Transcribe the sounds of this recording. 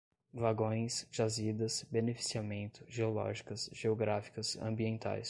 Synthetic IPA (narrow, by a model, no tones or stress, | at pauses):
vaɡõj̃sʒ̥azid̪ɐsbenefi̥siamẽnt̪ʊ̥ʒeolɔ̰ʒikɐsʒeoɡɾafi̥kɐsɐ̰̃mbiẽnt̪a̰js